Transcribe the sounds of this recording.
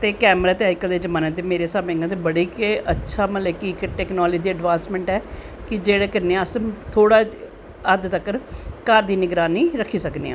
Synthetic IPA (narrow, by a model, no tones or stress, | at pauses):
t̪eːkɛːmɾaːt̪eːaːɪkəld̪eːd͡ʒəmaːnə̃t̪eːmeːɾeːsaːbẽːŋɡãt̪ebəɽiːkətːʃʰaːməlekikʈɛːknoːld͡ʒid̪iːəɖʋãːnsmɛ̃ːɳʈɛː | kɪd͡ʒeːɽeːkəɾneãːəsmt̪ʰoːɽaː | əd̪t̪əkəɾkaːɾd̪iːnɪɡɾaːniːɾəkʰːiːsəknḛːã̰ː